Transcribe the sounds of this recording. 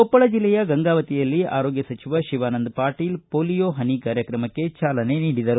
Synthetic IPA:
ɔpːɐɭɐd͡ʒilːɛjɐɡɐŋɡaːʋɐt̪ijɐlːia̰ːɾoːɡjɐsɐt͡ʃiʋɐʃiʋaːnɐnd̪paːɾʈiːlpoːlijoːɦɐnikaːɾjɐkɾɐmɐkːe̞t͡ʃaːlɐne̞niːɽid̪ɐɾu

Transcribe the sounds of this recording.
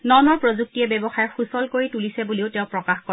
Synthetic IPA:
nɔnɔɹpɹozuk̚tiɛbɛbɔxajɛxusɔlkoɹitulisɛbuliʊtɛ̃ʊ̃pɹɔkaxkɔ

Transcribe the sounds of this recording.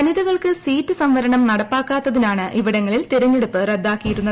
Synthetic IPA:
ɐniðɐɣɐɭkɨsiːtːɨsɐmʋɐɾɐɳɐmnɐɽɐpːaːkːaːt̪ːɐðinaːɳɨʔiʋiɽɐŋːɐɭilt̪eɾɐɲːeɽupːɨred̪ːaːkːijiɾunːɐ

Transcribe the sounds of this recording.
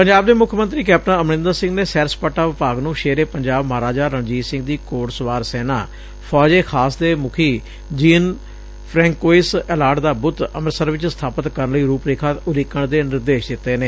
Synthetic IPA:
pəɲd͡ʒaːb̚d̪eːmʊkʰmənt̪ɾiːkɛːp̚ʈãːəmnɪ̃nd̪əɾsɪ̃ŋɡneːsɛːɾspəʈːaːʋɪpaːɡnũːʃeːɾeːpəɲd͡ʒaːbməɾaːd͡ʒaːɾəɳd͡ʒiːsɪ̃ŋɡd̪iːkoːʈsʋaːɾsɛːnaː | pʰɔːd͡ʒeːkʰaːsd̪eːmʊkʰiː | d͡ʒiːn | pʰɾɛ̃ːŋkoːɪsɛlaːʈd̪aːbʊt̪əməɾsəɾʋɪt͡ʃsət̪ʰaːpət̪kəɾənləiːɾuːpɾeːkʰaːʊɾikəɳd̪eːnɪɾd̪eːʃd̪ɪt̪ːeːneː

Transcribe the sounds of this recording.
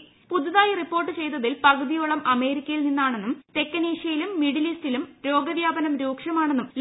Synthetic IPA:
pud̪ʱːɐðaːjiripːo̞ːrʈːɨt͡ɕe̞jt̪ːɐðilpɐɡɐðijoːɭɐmɐme̞ːɾikʲːɐjilninːaːɳe̞nːumt̪e̞kːɐniːʂjɐjilumːiɽilistilumɾo̞ːɡɐʋjaːbɐnɐmɾuːkʂɐmaːɳenːuml

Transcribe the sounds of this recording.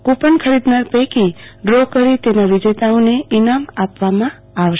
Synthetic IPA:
kupənkʰəɾid̪naɾpekiɖɾokəɾit̪enaʋid͡ʒet̪aõneinamapʋamã | aʋʃ

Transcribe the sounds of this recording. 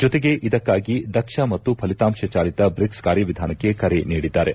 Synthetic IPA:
d͡ʒɔt̪eɡe̞ʔid̪ɐkːaːɡid̪ɐkʂɐmɐt̪ːupʰɐlit̪aːmʃɐt͡ʃaːlit̪ɐbɾikskaːɾjɐʋid̪ʱaːnɐkːe̞kɐɾe̞niːɽid̪ːaːɾe̞

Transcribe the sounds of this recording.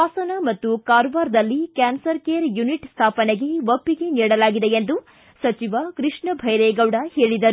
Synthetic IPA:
aːsɐnɐmɐt̪ːukaːɾʋaːɾd̪ɐlːikaːnsɐɾkeːɐɾjuniʈst̪ʰaːpɐneɡe̞ʋɐpːiɡe̞niːɽɐlaːɡid̪eend̪u | sɐt͡ʃiʋɐkɾɨʂɳɐbʱɐjɾɛːɡɐwɽɐhe̞ːɭid̪ɐɾu

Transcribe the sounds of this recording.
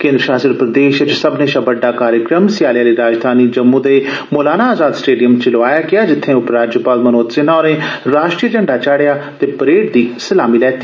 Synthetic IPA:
kɪ̃nd̪ɾəʃaːsəɾpɾəd̪eːʃət͡ʃsəbnẽːʃəbəɖːaːkaːɾjəkɾəmsɪjaːljaːliːɾaːd͡ʒd̪ʱaːniːd͡ʒəmːũːd̪eːmoːlaːnaːaːzaːd̪sʈeːɖijəmt͡ʃəloaːjaːɡɪjaːd͡ʒɪt̪ʰːẽːʊpɾaːd͡ʒjəpaːlmənoːt̪sɪnaːɾẽːɾaːʃʈɾiːʈəɳɖaːt͡ʃaːɽejaːt̪eːpəɾeːʈd̪iːsəlaːmiːlɛːt̪ːiː

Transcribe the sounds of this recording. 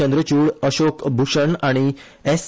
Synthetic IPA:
ənd̪ɾət͡ɕuːɽəɕokbʱuʂəɳaɽ̃i | es

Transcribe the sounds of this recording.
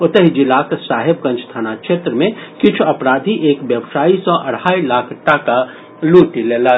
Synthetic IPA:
ʊt̪əɦid͡ʒɪlaːksaːɦeb̚kə̃nt͡ʃʰst̪ʰanakʃeːt̪ɾəmẽkɪt͡ʃʰuɐpɾaːd̪ʱiʔeːkbjəbsaːisɔʔɐɽ̤aːilaːkʰʈaːka | luːʈileːla

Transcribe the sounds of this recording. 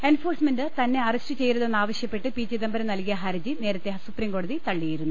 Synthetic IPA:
e̞nfo̞ːrsmendɨt̪ɐnːe̞ɐrɐstɨt͡ɕe̞jɾɐðenːaːʋɐɕjɐpːe̞ʈːɨpiːt͡ɕiðɐmbɐɾɐmnɐlkijɐɦɐɾɐd͡ʑine̞ːɾɐt̪ːe̞supriːmko̞ːɽɐðit̪ɐɭːijiɾunːu

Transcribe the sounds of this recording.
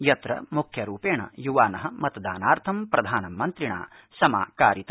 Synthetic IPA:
jɐt̪ɾɐ̰mukʰjɐɾuːpeːɳɐ̰juʋaːnɐɦɐmɐt̪d̪aːnaːɾt̪ʰɐmpɾɐd̪ʱaːnɐmːɐnt̪ɾiɳa̰ː | sɐma̰ːkaːɾit̪ɐ

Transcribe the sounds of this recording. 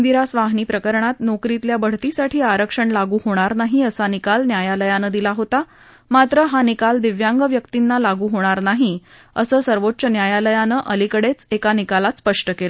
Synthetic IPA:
nd̪iɾasʋaɦniːpɾəkəɾɳat̪nokɾit̪ljabəɽ̤t̪isaʈʰiːaɾəkʂəɳlaɡuːɦoɽ̃aɾnaɦiəsanikalnjajaləjanəd̪ilaɦot̪a | mat̪ɾəɦanikald̪iʋjaŋɡəʋjəkt̪inːalaɡuːɦoɽ̃aɾnaɦi | əsəːsəɾʋotːt͡ɕənjajaləjanəʔəlikəɽet͡sekanikalat̪spəʂʈəkelə

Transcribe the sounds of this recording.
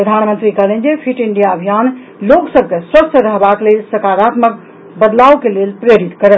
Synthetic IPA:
pɾəd̪ʱanmənt̪ɾikəɦlɛnd͡ʒepʰiʈiɳɖijaəbʱijan | loksəbʱkeswəsʈʰəɾəɦbaklelsəkaɾat̪mək | bəd̪lawkelelpɾeɾit̪kəɾəl

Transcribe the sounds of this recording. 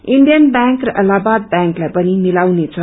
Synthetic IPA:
iɳɖijʌnbãŋkrʌʔʌlabad̪̚bjaŋklajpʌnimilawnet͡sʰʌ

